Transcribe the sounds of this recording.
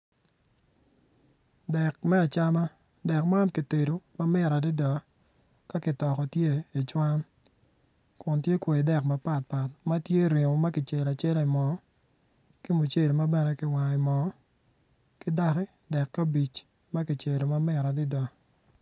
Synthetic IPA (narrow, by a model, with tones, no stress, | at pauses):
dɛ˨kmɛ˦a˨t͡ʃa˦ma˦ | dɛ˨kma˦nkɪ˨te˨ɾo˨ma˦mɪ˦ɾa˨dɪ˦da˨ | ka˦kɪ˨tɔ˨kɔ˨tje˦i˨t͡ʃwa˦n | kʊ˨ntje˦kwe˨i˨dɛ˨kma˦pa˦˨t̚pa˨t̚ma˦tje˦ɾe˨ŋo˨ma˦kɪ˨t͡ʃe˨la˨t͡ʃɛ˦li˨mɔ˨˦ | kɪ˦mu˨t͡ʃe˨ɾo˨ma˦bɛ˦nɛ˦kɪ˨wa˨ɪ˨mɔ˨˦ | kɪ˦da˦kɪ˦ | dɛ˨kːa˦bi˨t͡ʃ | ma˦kɪ˨t͡ʃe˨ɾo˨ma˦mɪ˦ɾa˨dɪ˦da˨